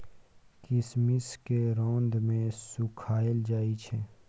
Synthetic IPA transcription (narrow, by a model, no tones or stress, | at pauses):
kɪsmɪskeɾõːnd̪mẽsʊkʰaːəld͡ʒaːit͡ʃʰɛː